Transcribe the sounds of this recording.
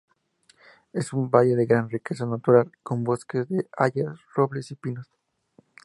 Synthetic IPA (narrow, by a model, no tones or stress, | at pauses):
e̞sumbaʝe̞ðe̞ɣɾanrike̞sanat̪uɾalko̞mbo̞ske̞zðea̰ʝasro̞βle̞sipinos